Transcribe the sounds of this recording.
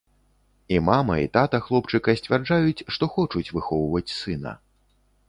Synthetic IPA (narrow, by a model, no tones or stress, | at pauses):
imamɐ̰ḭt̪at̪ɐxlˠɔpt͡ʂɨkɐsʲt͡sʲvʲard͡ʐajut͡sʲʂt̪ɔxɔt͡ʂut͡sʲvɨxɔwvɐt͡sʲsɨnɐ̰